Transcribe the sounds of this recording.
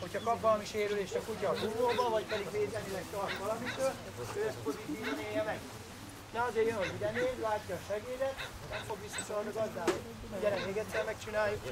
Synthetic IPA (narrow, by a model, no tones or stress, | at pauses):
ho̞cʰhɒkɒpvɒlmiʃeːɾyleːʃɒkucɒːpuvoːbɒvɒcpɛd̪iɡʋeːzɛmilɛkt̪ɒrt̪ʋɒlɒmit̪øː | øːspozit̪iːvɒneːvɛk | nɛɒzeːɾjønɦozid̪ɛneːdlaːcːɒːʃɛɡeːdɛt̪ | nɛmfo̞ɡʋisːɒsorniɡɒzd̪aːbo | ɟɛɾɛkeːɡɛt̪sɛmmɛkt͡ʃinaːjːuk